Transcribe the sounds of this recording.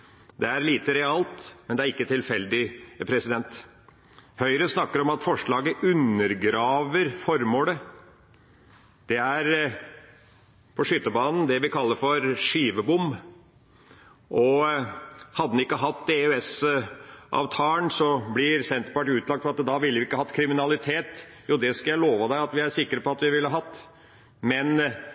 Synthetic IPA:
d̪ɛæɾliːt̪əɾɛɑlt̪mɛnd̪ɛæɾɪkːət̪ʰɪlfɛld̪ɪpʰɾɛsɪd̪ɛnt̪ | hœʏɾəsnɑkːəɾɔmɑt̪fɔʂɭɑːɡəʔʉnːəɾɡɾɑːʋəɾfɔɾmoːlə | d̪̥ɛæɾ | pʰɔʂʏt̪ːəbɑːnn̩d̪ɛʋɪkʰɑlːəɾfɔɾʂiːʋəbʊm | ʔɔ | hɑd̪ːən̩ɪkːəɦɑt̪ːɛʉɛs | ʔɑ̰ːʋt̪ʰɑːənsɔblɪɾsɛnt̪ɾpɑʈʉːt̪lɑkt̪fɔɾɑt̪d̪ɑʋɪlːʋɪɪkːəhɑt̪ːkʰɾɪmɪnɑlɪt̪ʰeːt̪juːd̪ɛskljæɪloːʋɑd̪æɪɑt̪ʋɪæɾʂɪkːəɾəpɔɑt̪ʋɪʋɪləəɦɑt̪ː | mɛn

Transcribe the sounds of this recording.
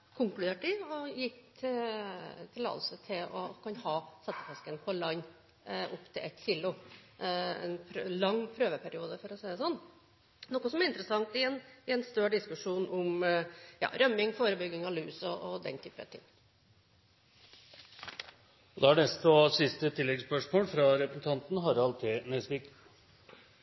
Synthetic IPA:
kʰʊŋklʉd̪eːʈɪɔjɪk̪ʰɪ | t̪ʰɪlɑ̰ːd̪sət̪ʰɪlɔkʰɑnhɑːsɛt̪ːə̥fɛskənpʰɔlɑɲː | ʊpːt̪ʰɪlʔɛt̪ːçiːlʊ | ɛ̰npʰɾlɑŋːpʰɾøːʋəpʰæɾɪuːd̪əfɔɾɔsæɪd̪ɛsɔnː | nɔkːɔsɔmæɾɪnt̪əɾəsɑŋt̪ɪɛnɪɛnst̪øːɖɪskʉʂuːnʔʊmjɑ̰ːɾœmːɪŋfoːɾəbʏɡːɪŋɑlʉːsɔʔɔd̪ɛ̰nt̪ʰyːpəə̰t̪ʰɪ̰ŋː | ɔd̪ɛæɖ̪ɛst̪ɔsɪst̪ət̪ʰɪlːɛɡspœʂmoːlfɾɑɾɛpɾəsn̩t̪ʰɑnt̪n̩ɦɑɾɑlt̪ʰɪːnɛsʋik

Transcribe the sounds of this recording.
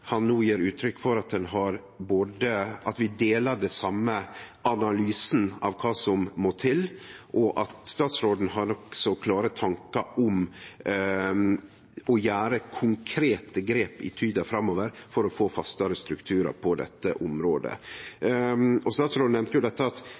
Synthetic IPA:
hɑnnuːjiːɾʉːt̪ʰɾʏkːfɔɾɑt̪̚d̪ɛnɦɑɾ | boːd̪əɑt̪ʋɪd̪eːlɑɖɛsɑmːəɑnɑlyːsnɑ̰ʋkʰɑːsɔmmoːt̪ʰɪlʔɔʔɑt̪st̪ɑːt̪sɾoːd̪n̩ɦɑɾnɔksɔkʰlɑːɾət̪ʰɑŋkɑʔɔm | ɔjæːɾəkʰʊŋkʰɾeːt̪əɡɾeːpɪ̰t̪ʰyːd̪ɑfɾɑmːoːʋəɾfɔɾɔfoːfɑst̪ɑɾəst̪ɾʉkt̪ʰʉːɾə̰ɾpʰɔd̪ɛ̰t̪ːə̰ʔʊmɾoːd̪ə̰ | ɔst̪ɑːt̪sɾoːd̪n̩ɛmnt̪əjʊd̪ɛt̪ːəɑt̪

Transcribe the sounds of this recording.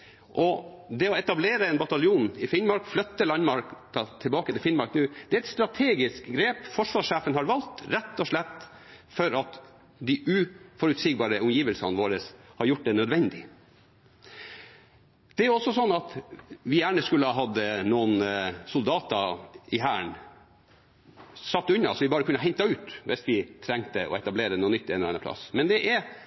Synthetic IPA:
ʔɔd̪ɛɔɛt̪ɑbleːɾəɛnbɑt̪ɑljuːnɪfɪnmɑɾkflœt̪ːəlɑnmɑɾkt̪ɑt̪ʰɪlbɑːkət̪ʰɪlfɪnmɑɾknʉːd̪̥ɛæɾɛt̪st̪ɾɑt̪ʰeːɡɪskɡɾeːpfɔʂʋɑːʂæːfənhɑɾʋɑlt̪ɾɛt̪ːɔʂɭɛt̪ː | fɔɾɑt̪ | d̪ɪʔʉfɔɾʉt̪siːɡbɑːɾəʔʊmjiːʋəlsɑnʋoːɾəshɑɾjʊʈ̚ːd̪ɛnœd̪ʋɛnd̪ɪ | d̪̥ɛæɾjʊɔsːɔsɔnːɑt̪ʋɪjæːɳəskʉlːəhɑɦɑd̪ːənuːənsʊld̪ɑːt̪ɑɪɦæːɳ | sɑt̪ːʉɲːɑsɔʋɪbɑːɾəkʉnːəɦɛnt̪ɑʉːt̪ʋɛsʋɪt̪ʰɾɛŋt̪əʔɔ̰ɛt̪ɑbleːɾənuːnːʏt̪ːɛːnlɛnːəpʰlɑ̰smɛnd̪ɛʔæɾ

